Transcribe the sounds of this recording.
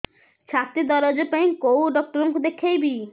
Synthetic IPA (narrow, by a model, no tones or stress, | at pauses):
t͡ɕʰat̪ːid̪ɔɾod͡ʑepejkowɖɔk̚ʈɔɾboŋkud̪ekʰːejbi